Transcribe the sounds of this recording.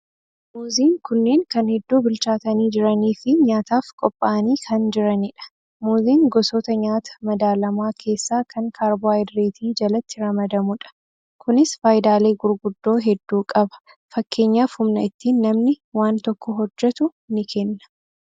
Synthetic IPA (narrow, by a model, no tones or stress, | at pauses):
muːziːŋkʊnːe̞ːŋkɐnhɛd̪ːuːbɪlt͡ʃaːt̪ɐniːd͡ʒɪɾɐniːfɪɲaːt̪aːfkʼɔpʼːaʔɐniːkʰɐnd͡ʒɪɾɐnɪᶑɐ̥ | muːziːŋɡɔsoːt̪ɐɲaːt̪ʰɐ̥mɐd̪aːlɐmaːkʰe̞ːsːaːkʰɐŋkʰaːɾbʊajd̪ɾeːt̪ʰiːd͡ʒɐlɐt̪ːɪɾɐmɐd̪ɐmʊᶑɐ̥ | kʊnɪsfaːjd̪aːle̞ːɡʊɾɡʊd̪ːo̞ːɦɛd̪ːuːkʼɐbɐ̥ | fɐkːe̞ːɲːaːfhʊmnɐɪt̪ːiːnːɐmnɪwaːnt̪ɔkːɔɦɔd͡ʒːɛt̪ʊ | nɪkʰɛnːɐ̥